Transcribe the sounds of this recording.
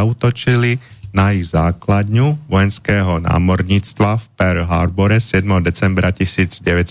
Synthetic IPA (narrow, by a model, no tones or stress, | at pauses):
aut̪ɔt͡ʃilinajiɣzaːklad̪ɲuʋɔjɛnskɛːɦɔna̰ːmɔɾɲiːt͡st̪ʋafpɛɾɦaɾbɔɾɛsɪɛd̪mɛɦɔd̪ɛt͡sɛmbɾacisiːd͡zɟɛʋɛt